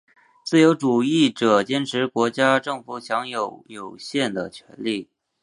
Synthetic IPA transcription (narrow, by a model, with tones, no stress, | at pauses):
t͡sɹ̩˥˩jo˧˥ʊʈ͡ʂu˨˩i˥˩ʈ͡ʂɤ˨˩t͡ɕjɛ˥nʈ͡ʂʰɻ̩˧˥kwɔ˧˥t͡ɕja˥ʈ͡ʂɤ˥˩ŋfu˨˩ɕjɑ˧˥ŋjo˨˧˩ʊjo˨˩ʊɕjɛ˥˩nd̪ə˩t͡ɕʰɥɛ̰˧˥nli˥˩